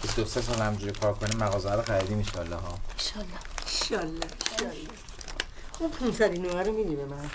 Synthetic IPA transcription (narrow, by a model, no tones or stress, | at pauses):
bisd̪osesɒːlhæmd͡ʒuːɾikʰɒːɾkʰoniːmːæɣɒːzæɾoxæɾid̪iːminʃɒːlːɒɦɒːeʃɒlːɒeʃɒlːɒeʃɒlːɒ | xubpʰunsæɾinoæɾomid̪imbemæn